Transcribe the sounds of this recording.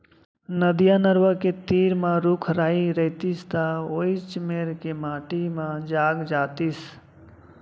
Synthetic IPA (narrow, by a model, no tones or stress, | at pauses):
nəd̪ijanəɾwəket̪iːɾmãɾukʰɾaːiɾəɦɪt̪ist̪aoit͡ʃmeɾkemaːʈimãd͡ʒaːɡd͡ʒaːt̪is